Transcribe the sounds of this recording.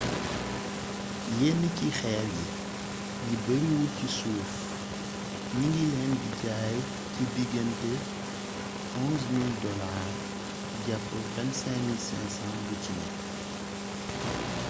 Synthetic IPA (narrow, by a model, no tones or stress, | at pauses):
jɛnicixɛːljḭ | ɡibəɾiwucisuːf | ɲiŋɡilɛnbicaːj | cidiɡɐntɛ | ɔ̃ːnzmildɔlaːr | ɟapːɐkɛnsɛmilsɛnsãːnbucinɛ̰